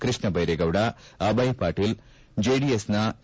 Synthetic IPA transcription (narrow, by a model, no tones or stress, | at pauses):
kɾɨʂɳɐbɐjɾeɡɐʋɽɐɐbɐjpaːʈil | d͡ʒeːɖiesnɐ